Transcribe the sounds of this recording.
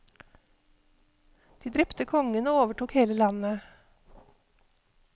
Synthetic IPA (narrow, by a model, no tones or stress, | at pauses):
d̪̥iːd̪ɾɛpt̪əkʰɔŋənoːoːʋəʈuːkheːləlɑnə